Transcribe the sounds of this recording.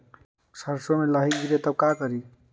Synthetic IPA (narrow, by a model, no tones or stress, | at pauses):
sʰəɾsomeləɦiɡiɾet̪əb̚kakʌɾi